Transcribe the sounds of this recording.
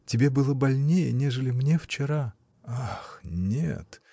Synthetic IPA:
tʲɪbʲe̞bɨlˠəbɐlʲnʲejənʲeʐɨlʲɪmnʲe̞ft͡ɕɪɾa | axnʲḛt̪

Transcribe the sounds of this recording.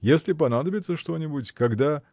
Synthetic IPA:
jesʲlʲɪp̬ɐnad̪əbʲɪt̪səʂt̪o̞nʲɪbʊtʲkɐɡd̪a

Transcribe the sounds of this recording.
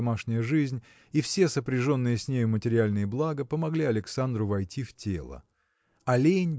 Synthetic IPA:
maʂnʲɪjəʐɨzʲnʲ | ifsʲe̞səpɾʲɪʐo̞nːɨjəsʲnʲejʊmətʲɪɾʲɪalʲnɨjəblˠaɡəpəmɐɡlʲiɐlʲɪksand̪ɾʊvɐjtʲiftʲelˠə̰ | ɐlʲenʲ

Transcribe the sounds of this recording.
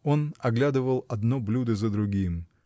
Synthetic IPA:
o̞nɐɡlʲad̪ɨvəlˠɐd̪noblʲud̪əzəd̪ɾʊɡʲim

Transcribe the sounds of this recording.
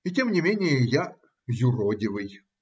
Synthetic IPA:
itʲemnʲɪmʲenʲɪjəja | zʲʊrodʲɪvɨj

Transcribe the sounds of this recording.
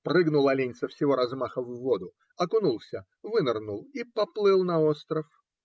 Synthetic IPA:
prɨɡnʊlˠɐlʲenʲɪt̪səfsʲɪvo̞ɾɐzmaxəvːod̪ʊ | ɐkʊnulˠsʲə | vɨnərnulˠipɐplˠɨlˠnɐost̪ɾəf

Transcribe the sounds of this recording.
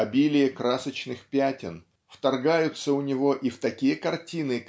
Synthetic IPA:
ɐbʲilʲɪjəkɾasət͡ɕnɨxpʲætʲɪn | ft̪ɐrɡajʊt̪səʊnʲɪvo̞ʔift̪ɐkʲijəkɐrtʲinɨ

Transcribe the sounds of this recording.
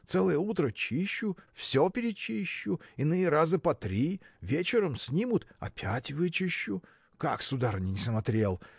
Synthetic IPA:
t̪sɛlˠəjəut̪ɾət͡ɕiɕːʊfsʲopʲɪɾʲɪt͡ɕiɕːʊɪnɨjəɾazɨpɐt̪ɾʲivʲet͡ɕɪɾəmsʲnʲimʊt̪ɐ̰pʲʰætʲvɨt͡ɕɪɕːʊ | kaksʊd̪aɾnʲɪnʲɪsmɐt̪ɾʲe̞lˠ

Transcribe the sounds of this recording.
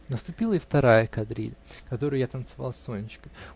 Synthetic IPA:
nəst̪ʊpʲilˠəɪift̪ɐɾajəkɐd̪ɾʲḭlʲkɐt̪o̞ɾʊjat̪ənt̪sɨva̰lˠsʲonʲɪt͡ɕkə

